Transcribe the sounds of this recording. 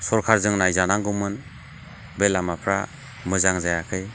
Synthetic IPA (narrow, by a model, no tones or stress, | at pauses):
sɔɾkʰaɾzɯŋnajzanaŋɡumɯn | belamapʰɾa̰ | mɯzaŋzajakʰɯj